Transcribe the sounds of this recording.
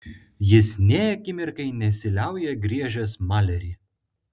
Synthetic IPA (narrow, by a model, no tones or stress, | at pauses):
jɪsnʲeːjɐkʲɪmʲɪɾkɐɪnʲɛsʲɪlʲæˑʊjɛɡɾʲiɛʒʲoːsmɑːlʲɛɾʲiː